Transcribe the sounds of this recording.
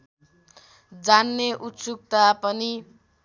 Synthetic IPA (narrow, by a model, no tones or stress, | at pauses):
d͡zanːeʔut̪suk̚t̪apʌni